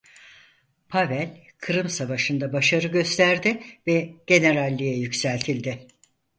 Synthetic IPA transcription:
pʰavælʲ | kʰɯɾɯmsavaʃɯnd̪abaʃaɾɯɟø̞st̪ʰæɾd̪ɪvɛɟ̥e̞ne̞ɾalʲːijɛjycsælʲt̪ʰilʲd̪ɪ

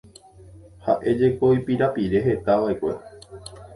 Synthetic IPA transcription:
haʔe̞d͡ʒe̞ko̞ipiɾapiɾe̞ɦe̞t̪aʋaekʷe̞̰

